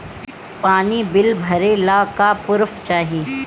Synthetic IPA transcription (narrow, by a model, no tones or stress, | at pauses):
paːnibɪlbʱɐɾelaːkapʊɾft͡ʃaːɦiː